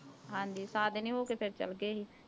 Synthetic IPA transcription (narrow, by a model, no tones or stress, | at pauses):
ɦãːnd̪iːsaːd̪nĩːɦoːkeːpʰɪɾt͡ʃə̰lɡeːɦiː